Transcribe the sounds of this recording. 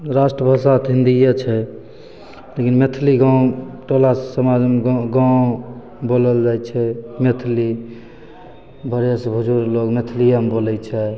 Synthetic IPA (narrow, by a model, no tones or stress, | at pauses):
ɾasʈɾəbʱəsat̪ɦĩnd̪ijət͡ʃʰɛ | lekinmet̪ʰliɡãw̃ʈolasəmad͡ʒmeɡãw̃ | boləld͡ʒajt͡ʃʰɛmet̪ʰli | bʱəɾesbʱud͡ʒuɾloɡmet̪ʰlijambolɛt͡ʃʰɛ